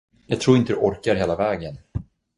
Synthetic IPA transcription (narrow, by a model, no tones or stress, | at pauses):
jɑːɡ̚t̪ʰɾuːɾɪnt̪əd̪ɵʔɔɾkaɾɦeːlavɛːɡən